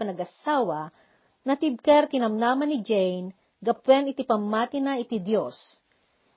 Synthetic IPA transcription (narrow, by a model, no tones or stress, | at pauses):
pɐnɐɡɐsaːwɐ | nɐt̪ib̚kɛɾk̪ɪnɐmnaːmɐnɪd͡ʒɛjn | ɡɐpwɛnɪt̪ipɐmːaːt̪ɪnɐʔɪt̪id̪jos